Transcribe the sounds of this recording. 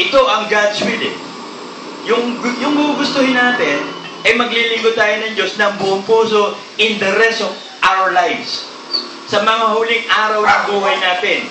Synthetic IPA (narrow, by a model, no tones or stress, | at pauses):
ʔɪt̪o̞ʔɐŋɡad̪swid̪ɛ̰n | jʊŋjʊŋɡuɡʊst̪ohɪnːaːt̪ɪn | ʔɐjmɐɡlilɪŋɡod̪̚t̪aːjonɐŋd͡ʒo̞snɐŋbʊʔoŋpuːso̞ | ʔɪnd̪ɐɾɛst̪ov | ʔawɐɹlajvsː | ɐmɐŋahuːlɪŋʔaːɾɐwɐŋbuːɦɐjnaːt̪ɪn